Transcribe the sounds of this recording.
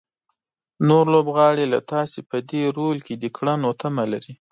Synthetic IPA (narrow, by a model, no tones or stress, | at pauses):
noɾlobɣɑɽela̰t̪ɑsepəd̪eɾolked̪əkɽanot̪ʰamalaɾi